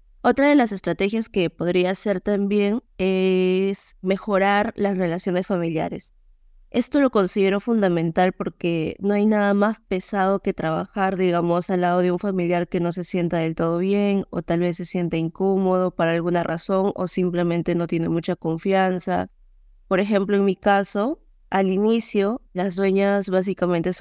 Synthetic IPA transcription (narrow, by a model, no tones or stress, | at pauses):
o̞t̪ɾaðe̞lase̞st̪ɾat̪e̞xjaske̞po̞ðɾiaːse̞ɾt̪ambje̞n | e̞sme̞xo̞ɾaɾlasre̞lasjo̞ne̞sfamilja̰ɾe̞s | e̞st̪o̞lo̞ko̞nsiðe̞ɾo̞fund̪amẽ̞nt̪alpo̞ɾke̞no̞ajnaðamaspe̞sað̞o̞ke̞t̪ɾaβ̞a̰xaɾðiɣamo̞salːað̞o̞ðe̞uɱfamiljaɾke̞no̞se̞sje̞nt̪að̞e̞lt̪o̞ð̞o̞βje̞ŋo̞̰t̪alβe̞sːe̞sje̞nt̪aiŋkomo̞ð̞o̞paɾaːlɣunarʔa̰so̞ŋo̞̰simple̞mẽ̞nt̪e̞no̞t̪je̞ne̞mut͡ʃako̞ɱfjansa̰ | po̞ɾexe̞mploeŋmikaso̞ | alinisjo̞lazðwe̞ɲazβas̬ikament̪e̞s